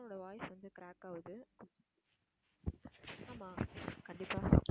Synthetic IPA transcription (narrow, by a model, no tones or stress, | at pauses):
noːɽjɐʋaːjɪsʋɐnd̪ɯkɪɾaːkaːʋɐðɯ | aːmaːkɐɳɖɪpːaː